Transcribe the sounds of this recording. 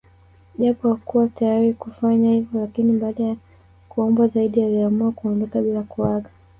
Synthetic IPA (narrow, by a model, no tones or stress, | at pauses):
ʄapɔakuwatajaɾikufaɲahivɔlakiniɓaːɗaja | kuɔmbwazaiɗialiamuakuɔndɔkaɓilakuwaɠa